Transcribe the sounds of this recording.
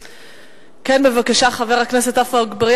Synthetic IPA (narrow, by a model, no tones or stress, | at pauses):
kenbevakaʃaχaveʁhakneset̪afaɡbaʁj